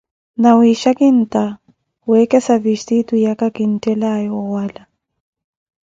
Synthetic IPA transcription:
nawiʃakin̩tʼa | wɛkɛsavistitujakakin̩tʼɛlajɔwala

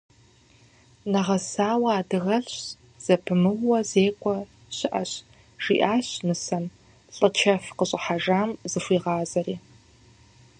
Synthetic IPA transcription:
nɐʁɐsaːwaːdɨɣɐɬɕ | z̥ɐpʰɨmɨwːɐzeːkʷʼɔ | ɕɪʔɐɕ | ʒ̥ḭːʔaːɕnɨsɐm | ɬʼɨt͡ʃʰɐfqəɕʼɪħaʒaːmzɨfʷiːʁɑːzɐriː

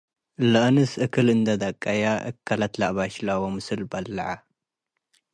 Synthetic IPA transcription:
lɨʔnɨsʔɨkʰɨlɨnd̪ɐd̪ɐkʼːajaʔɨ̰kʰːalat̪laʔβaʃlawomɨsɨlbɐlːɐʕa

